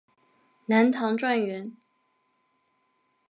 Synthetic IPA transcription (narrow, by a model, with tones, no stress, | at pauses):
na˧˥nt̪ʰɑ˧˥ŋʈ͡ʂwa˥˩nɥɛ˧˥n